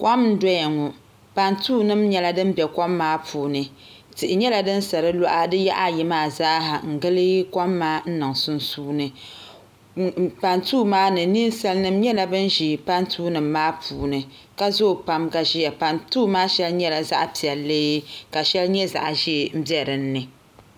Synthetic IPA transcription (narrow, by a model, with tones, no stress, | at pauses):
kʷɔ˦mn̩˦dɔ˦ja˨ŋu˨ | pa˦ntuː˦nɨ˦mɲɛ˦la˨dɨ˦m˦bɛ˨kɔ˦mːaː˦pʰuː˨nɨ˨ | tɨ˨ʔɪ˨ɲɛ˦la˨dɨ˦n˦sa˨ɾɨ˦lɔ˦ʔa˦dɨ˦ja̰˦ʔa˦˨ji˨maː˦˨zaː˦ɦa˨ŋ̩˨ɡɨ˦lɨ˦kɔ˦mːaː˦n̩˦nɨ˨ŋsʊ˦n˦suː˦nɨ˨ | pa˨ntuː˦maː˦nɨ˨ni˦n˦sa˦lnɨ˦mɲɛ˦la˨bɨ˦n˦ʒi˨pa˦ntʰuː˦nɨ˨mːaː˦pʰuː˨nɨ˨ | ka˦zoː˦˨pa˦mka˦ʒi˦ja˨pa˨ntuː˦maː˦ʃɛ˦lɲɛ˦la˨za̰˦ʔpi˨ɛ˨lːe˦jka˨ʃɛ˦lɲɛ˦za̰˨ʔa˨ʒi˦˨m̩˦bjɛ˦ɾɨ˨n̩ː˦ɨ˨